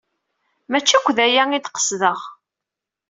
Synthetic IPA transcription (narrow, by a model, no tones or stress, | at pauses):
mæt͡ʃːækʷːðæjæŋid̪qə̥sðəʁ